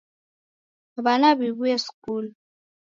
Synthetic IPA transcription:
βanaβiβujeskul

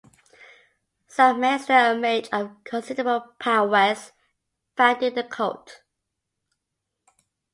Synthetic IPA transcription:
səmɛsəmeɪdəvkʰə̃nsɪdəɹəbəlˠpʰaʊwəz̥ | fãndɪðəkʰoʊt

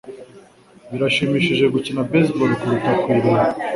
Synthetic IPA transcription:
βiɾaʃimiːʃiʒe̞ɡucinabesbolikuɾutakwiɾia

